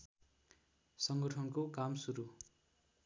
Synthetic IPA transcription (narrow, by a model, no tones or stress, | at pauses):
sʌŋɡʌʈʰʌnkokamsuɾu